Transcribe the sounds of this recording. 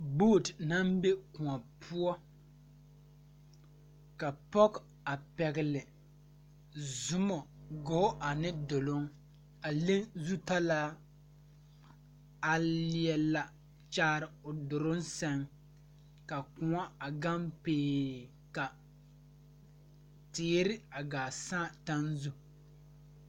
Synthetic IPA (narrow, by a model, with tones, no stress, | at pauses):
boː˦˨tna˦mbe˦ku˨a˨pʰu˦ɔ˦ | ka˨pɔ˦ɡ | a˨pɛ˨ɣɪ˨lɪ˨ | zʊ˦mɔ˨ɡo˨˦ʔa˨nɪ˦do˨lʊ˦ŋ | a˨le˦zu˦ta˦laː˦ | a˨lɪ˨ɛ˨lːa˨ | t͡ʃaː˦ɾɪ˨ʊ˨dʊ˨ɾʊ˦n˦sɛ˦ŋ | ka˨ku˨ŋa˦a˨ɡa˦mpeː˦˨ | ka˨ | teː˦ɾɪ˦a˨ɡaː˨sa˦ta˦nzu˦